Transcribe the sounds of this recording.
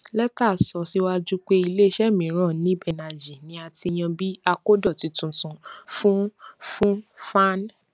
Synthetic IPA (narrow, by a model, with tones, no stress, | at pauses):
lɛ˦taː˦˨sɔ˨˦si˦wa˧d͡ʒu˦k͡pe˦i˧le˦ʃɛ˦˨mĩ˨˦ɾ̃ã˦˨nĩ˨˦bɛ˨na˨d͡ʒi˨nĩ˦a˧ti˧j̃ã˧bi˦a˧ko˦dɔ˦˨ti˨˧tũ˧˨tũ˨˧fũ˦fũ˦fa˦n